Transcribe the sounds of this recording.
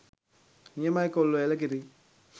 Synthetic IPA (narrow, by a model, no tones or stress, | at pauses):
ɲemajkolːoɛlak̬iɾi